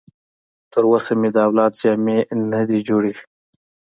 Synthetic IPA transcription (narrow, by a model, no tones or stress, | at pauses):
t̪əɾwasamed̪aːwlɑːt̪d͡ʒɑːmenad̪id͡ʒoɽix